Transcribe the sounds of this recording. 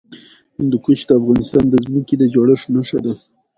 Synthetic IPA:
hɪnd̪əkuʃd̪əafɣɑnɪst̪ɑnd̪əzməkid̪əd͡ʒoɽəʂnaʂad̪a

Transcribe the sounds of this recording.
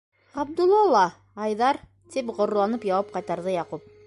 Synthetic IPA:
ɑb̚d̪ulˠːɑlˠːɑ | ɑjðɑɾ | t̪ipʁŏɾlˠɑnɤpjɑwɑp̚qɑjt̪ɑɾðɤjɑqup̚

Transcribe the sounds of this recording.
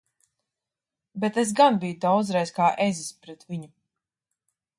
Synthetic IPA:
bet̪es̬ɡanbijud̪awd̪zɾɛjskaːʔezispɾɛt̪viɲu

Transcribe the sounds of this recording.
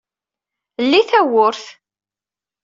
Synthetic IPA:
lːiθæwʊɾθ

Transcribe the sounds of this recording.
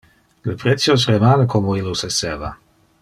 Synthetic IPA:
ləpɾɛtsjos̬remaːnəkʰomoilosesɛva̰

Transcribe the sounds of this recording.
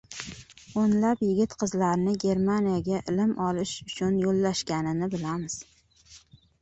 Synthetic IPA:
onlapjɪɡʲɪt̪qʰɨzlaɾnɪɡʲe̞ɾmanijaɡʲaʔɪlɪmʔɒlɪʃʊt͡ʃʰʊnjolːaʃkʲanɪnɪbɪlamɪz̥

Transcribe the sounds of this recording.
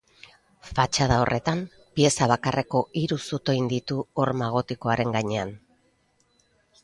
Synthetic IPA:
fat͡ʃaðao̞̰rʔe̞t̪am | pie̞saβ̞akare̞ko̞iɾusot̪o̞jnd̪it̪uoɾmaɣ̞o̞t̪iko̞aɾe̞ŋɡaɲe̞an

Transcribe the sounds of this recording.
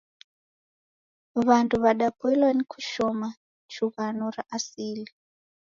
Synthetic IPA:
βantʰuβaɗapuilwanikʰu̥ʃɔma | t͡ʃuɣanɔraʔasiːli

